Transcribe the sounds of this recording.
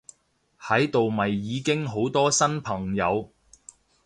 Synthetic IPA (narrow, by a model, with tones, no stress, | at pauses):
hɐ˨˥jt̪o˨wmɐ˨jːiː˨˧kɪ˥ŋɦo˨˥wt̪ɔː˥sɐ˥npʰɐ˨˩ŋjɐ˨˧w